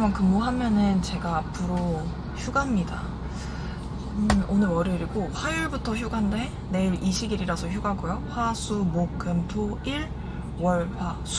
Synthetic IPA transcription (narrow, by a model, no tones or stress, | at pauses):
mankɯmoɦamjʌnɯnt͡ɕe̞ɡapʰɯɾo | çuɡamɲida̰ | ɯonɯɾʌɾɯɾiɡoɸwaiɭbutʰʌçjuɡande̞ | ne̞iɾiɕʰiɡiɾiɾasʰʌçuɡaɡujoɸwasʰumokʰɯmtʰoiɭ | wʌɭɸwasʰ